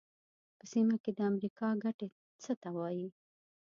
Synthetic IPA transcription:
pəsimaked̪əamɾikɑɡaʈe | t͡sət̪awɑji

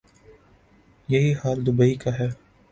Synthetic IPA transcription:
jɐɦihaːld̪ʊbəikaɦɛː

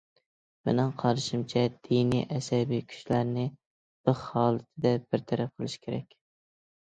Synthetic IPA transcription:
menɪŋqʰɑɾʃimt͡ʃʰɛd̪̥inijʔɛsɛbijkʲʰy̥ʃlæɾnɪ | b̥ɨzhɑːlˠɨt̪ʰɪd̪ɛb̥ɪɾt̪ʰæɾæp̚qʰəlˠɪʃi̥kʲʰeɾɛ̰kʲ

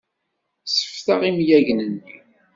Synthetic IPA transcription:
sə̥fθaʁimjæʝnənːḭ

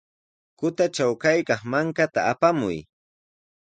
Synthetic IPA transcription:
kʊt̪at͡ʃawkajkɑχmaŋkat̪aapamʊ̰j

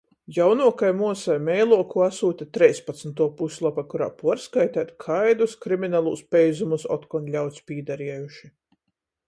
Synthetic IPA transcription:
jawnuɔkajmuɔsajmɛjlˠuɔkuasuːt̪ʲat̪ɾɛjspat̪snt̪uɔpusʲlˠapakuɾa̰ːpuɔɾskajt̪æːt̪kʰajd̪uskɾiminalˠuːspɛjzumusɔ̰t̪kɔnlʲawt̪spʲiːd̪aɾiɛjuʃi

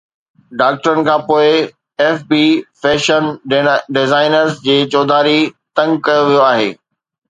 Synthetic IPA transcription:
ɖaːk̚ʈəɾənɪ̆kʰãːpoːɪ | ɛːfbiːfɛːʃənɖɪzaːɪnəɾzd͡ʑeːt͡ɕɔːd̪ʱaːɾit̪ɐ̃ŋɡkɐjoʋijoaːɦḛː

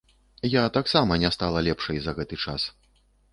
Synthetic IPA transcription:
jat̪aksamɐnʲɛst̪alˠɐlʲɛpʂɐjzɐɣɛt̪ɨt͡ʂa̰s

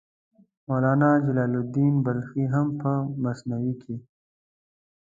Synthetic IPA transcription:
moːlaːnad͡ʒɐlaːlud̪iːnbɐlxiɦɐmpəmɐsnɐwikʰi

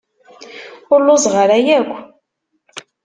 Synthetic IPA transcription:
ʊɾlʊzˤʁəɾæjækʷː

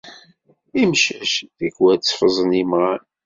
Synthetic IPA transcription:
imʃæʃðæɡwæt͡sːfəzˤənimʁan

